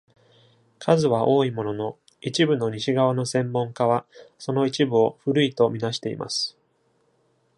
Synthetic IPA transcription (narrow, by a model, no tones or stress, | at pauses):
kʰazɨβaʔo̞ːimo̞no̞no̞ | it͡ɕibɯ̟no̞ɲ̟iɕiɡaβano̞sẽ̞mːõ̞ŋkaβaso̞no̞it͡ɕibɯ̟o̞ɸɯɾɯ̟it̪o̞mʲinaɕi̥t̪e̞ḭmʔa̰sɨ̥